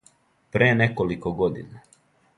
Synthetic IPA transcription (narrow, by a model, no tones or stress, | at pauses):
pɾeːnekolikoɡod̪ḭna